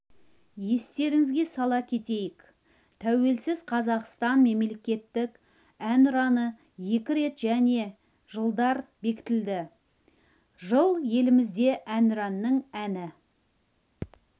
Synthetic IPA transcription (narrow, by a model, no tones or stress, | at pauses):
je̞st̪e̞ɾɪŋɪzɡʲe̞sɑlˠɑkʲʰe̞t̪e̞jɪk | t̪ʰæwe̞lsɪz̥qʰɑzɑqst̪ɑnme̞mlekʲe̞t̪ːɪk | ænʊɾɑnə | je̞kʲɪɾe̞t̪ʒæne̞ | ʒəlˠd̪ɑɾbe̞kʲɪ̥t̪ɪld̪ɪ | ʒəlˠje̞lɪmɪzd̪e̞ʔænʊɾɑnːəɴænɪ